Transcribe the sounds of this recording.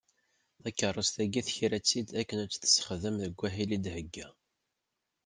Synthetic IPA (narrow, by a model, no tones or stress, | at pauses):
θækːərˤːəst̪æɡiθçɾæt͡sːid̪ækːənæt͡sːθə̥sːə̥χðəmðəɡʷːæɦilid̪həɡːæ